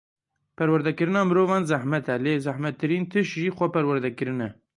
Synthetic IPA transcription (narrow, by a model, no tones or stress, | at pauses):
pʰɛɾwɛɾd̪ɛkɨɾɨnɑːmɨɾoːvɑːnzæhmɛt̪ʰɛleːzæhmɛt̪ʰːɨɾiːnt̪ʰɨʃʒiːxʷɛpɛɾwɛɾd̪ɛkɨɾɨnɛ